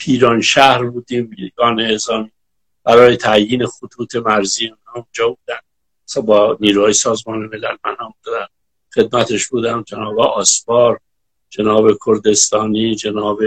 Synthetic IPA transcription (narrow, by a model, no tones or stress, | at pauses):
pʰiːɾɒːnʃæhɾbuːd̪iːmɡɒːneːzɒːmiː | b̥æɾɒːjet̪ʰæʔjiːne̞xot̪ʰuːt̪ʰe̞mæɾziːeunhɒːund͡ʒɒːbuːd̪ænd̪ | sbɒːniːɾuːhɒːjesɒːzmɒːneme̞lælmænhɒːmd̪ud̪æn | xe̞d̪̚mæt̪ʰe̞ʃbuːd̪æmd͡ʒenɒːbeʔɒːsfɒːɾ | d͡ʒe̞nɒːβe̞kʰoɾd̪e̞st̪ɒːniːd͡ʒe̞nɒːbe